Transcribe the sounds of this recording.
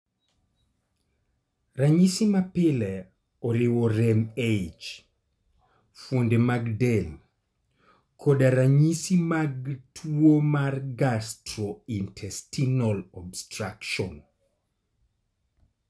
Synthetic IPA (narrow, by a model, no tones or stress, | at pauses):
raɲisimapɪlɛ | ɔɾɪwɔɾɛmed͡ʒ | fwondemaɡdɛl | kʰodaɾaɲisimaɡtʰwomarɡastɾɔintʰɛstinɔlɔbstɾakʃɔn